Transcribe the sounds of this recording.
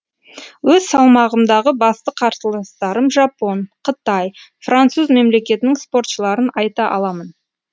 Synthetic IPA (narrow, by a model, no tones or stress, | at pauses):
wɵzsɑlˠmɑʁəmd̪ɑʁəbɑst̪əqʰɑɾsəlˠɑst̪ɑɾəmʒɑpo̞nqʰət̪ɑj | frant̪suzme̞mle̞kʲe̞t̪ɪnɪŋspo̞rt̪ʃəlˠɑɾənɑjt̪ɑʔɑ̰lˠɑmən